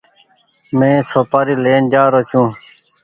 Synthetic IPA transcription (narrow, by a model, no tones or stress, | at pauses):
mẽːsoːpaːɾiːleːnd͡ʒaːɾoːt͡ʃʰũː